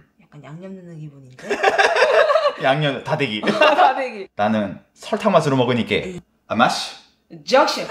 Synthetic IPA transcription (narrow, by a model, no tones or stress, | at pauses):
jak͈anjaŋɲʌmnɯnɯɡiboɲine | jaŋɲʌntadeɡideɡinanɯn | sʰʌɭtʰaŋmasʰɯɾomʌɡɯɲik͈e̞̰ | amaɕʰi̥ | d͡ʑʌkɕ͈i